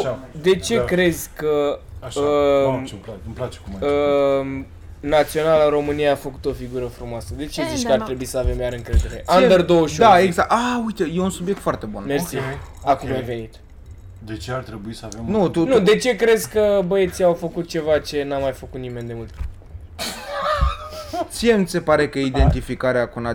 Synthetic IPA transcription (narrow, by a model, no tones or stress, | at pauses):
d̪e̞t͡ʃe̞kɾe̞dzʲkəə | mplat͡ʃe̥kumə | nat̪sio̞nalɨɾo̞mɨnijaːfəkut̪o̞fiɡuɾəfɾumoasəd̪e̞t͡ʃe̞zit͡ʃʲkkəart̪ɾe̞buisəave̞mjaɾɨŋkɾe̞d̪e̞ɾe̞̰ʔand̪ərd̪oəʃod̪aeɡzakaujt̪ejeunsubjek̚t̪foart̪e̞bunmersi | akumajve̞nit̪ | d̪et͡ʃeaɾt̪ɾebuisəavemnut̪unud̪e̞t͡ʃe̞kɾe̞zʲkəbəet̪siawfəkut̪̚t͡ʃe̞vat͡ʃe̞namajfəkut̪nime̞nd̪e̞mult̪ | t̪sijemi̥se̞paɾe̞kəid̪e̞nt̪ifikaɾeakuna